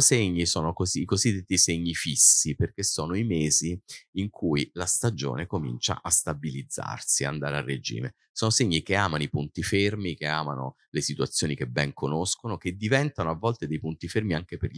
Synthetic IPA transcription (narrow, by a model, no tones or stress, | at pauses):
seɲːisɔːnokoziikozid̪ːet̪ːiseɲːifisːiperkesːoːnoimeːziiŋkʰujlast̪ad͡ʒo̰ːnekomḭnt͡ʃa̰ʔast̪abilid̪zːa̰rsiaand̪aːɾea̰rːed͡ʒḭːme | soːnoseɲːikeaːmanoipunt̪ifermikeaːmano̰ | lesit̪uat̪sːjoːnik̟ebːɛŋkonoskonok̟ed̪ːivɛnt̪anoavːɔlt̪ed̪ejpunt̪ifermiaŋkeperʎ